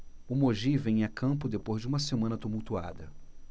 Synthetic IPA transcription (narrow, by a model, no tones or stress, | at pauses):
ʊmoʒivẽj̃akʰɐ̃pʊd̪epozd͡ʒɪũmɐsemɐ̃nɐt̪umuwt̪ua̰d̪ɐ